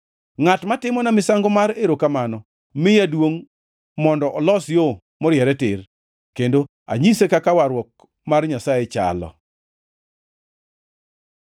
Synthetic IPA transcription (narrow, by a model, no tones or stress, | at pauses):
ŋatmatɪmɔnamɪsaŋɡomaɾeɾokamanɔ | mɪjadwoŋ | mɔndɔʔɔlɔsjo | mɔɾjɛɾɛtɪr | kendo | a̰ɲisekakawaɾwɔk̚ | marɲasajet͡ʃa̰lɔ̰